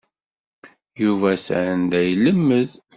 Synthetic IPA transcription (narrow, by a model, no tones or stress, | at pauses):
juvæsʕənd̪æjləmːəð